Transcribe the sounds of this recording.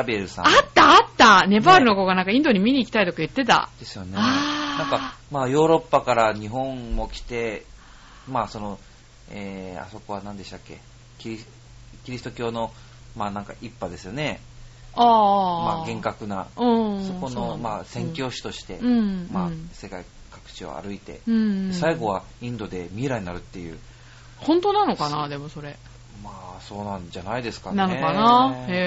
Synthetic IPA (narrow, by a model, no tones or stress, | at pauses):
abieɾɯ̟sã̰at̪ːaːt̪ːane̞paɾɯ̟no̞ko̞ːɡanãŋkaĩnd̪o̞ɲ̟imʲiɲ̟iːkʲi̥t̪ait̪o̞kajɯ̟t̪ːe̞t̪a̰d̪̥e̞sɨ̥jo̞neanãŋkamaːjo̞ːɾo̞pːakaɾaɲ̟iɦõ̞ɴmo̞kʲi̥t̪e̞ | maːso̞no̞ | eːa̰so̞ko̞β̞anãnd̪e̞ɕt̪akʲːe̞̰ | kʲii | kʲiɾʲisɨ̥t̪o̞kʲo̞ːno̞ | maːnãŋkaʔipːad̪e̞sɨjo̞ne̞ | ammaɡẽ̞ŋkakɯ̟naɯ̃soko̞no̞masẽ̞ŋkʲo̞ːɕi̥t̪o̞ɕi̥t̪e̞ɯ̃mase̞kai | kakɯ̟̥t͡ɕio̞̰a̰ɾɯ̟it̪ẽ̞̰saiɡo̞β̞a | ĩnd̪o̞d̪e̞mʲieɾaɲ̟inaɾɯ̟t̪ːe̞jɯ̟̰ː | hõ̞nt̪onano̞kanad̪e̞mo̞so̞ɾe̞ | maːso̞ːnãɲd͡ʑanaid̪e̞sɨ̥kananoekana